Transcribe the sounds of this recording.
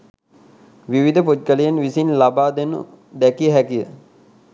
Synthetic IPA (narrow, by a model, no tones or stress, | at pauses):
ʋiʋid̪ʱəpod̪̚kəlijenʋisinlabaːd̪enṵ | d̪ɛkiəɦækijə